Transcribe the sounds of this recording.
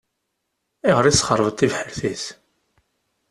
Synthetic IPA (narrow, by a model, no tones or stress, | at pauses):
ɪʁəɾˤisχəɾˤvət̪ˤːivħəɾθis